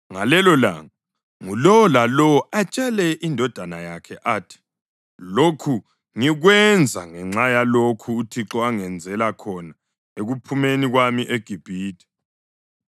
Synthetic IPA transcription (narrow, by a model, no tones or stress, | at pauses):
ŋalɛlɔla̰ŋa | ŋulɔwɔlalɔwɔat͡ʃʼɛlɛʔindʱɔd̥ʱanajakʰɛʔaːtʰi̥ | lokʰu | ŋiɣwɛnd͡zʱaŋɛŋ͡ǁajalokʰuːtʰiǁɔaŋɛnd͡zʱɛlakʰɔna | eɣupʰumeniɣwamiʔeɡ̥ʱib̥ʱiːtʰʼi̥